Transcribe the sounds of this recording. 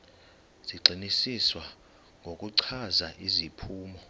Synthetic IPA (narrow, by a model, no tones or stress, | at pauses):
z̥iɡ͡ǀʱinisiswa | ŋɡʱokʼuǀʰazaʔizipʰuːmɔ